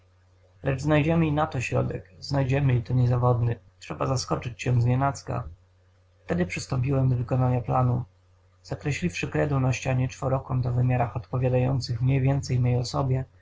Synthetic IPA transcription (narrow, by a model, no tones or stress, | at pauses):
lɛd͡ʐznajd͡ʑɛmɘinat̪ɔɕɾɔ̰d̪ɛ̰kznajd͡ʑɛmɘit̪ɔɲɛzavɔd̪nɘtʂɛbazaskɔt͡ʂɘt͡ɕɕɛ̃zɲɛnat̪ska̰ | ft̪ɛd̪ɘpʂɘst̪ɔmpʲiwɛmd̪ɔvɘkɔnaɲaplanu | z̥akɾɛɕlʲifʂɘkɾɛd̪unaɕt͡ɕaɲɛt͡ʂfɔɾɔkɔmd̪ɔvɘmʲjaɾaxɔt̪pɔvʲjad̪ajɔ̰nt̪sɘxmɲejvʲjɛnt̪sɛjmʲjɛjɔsɔbʲjɛ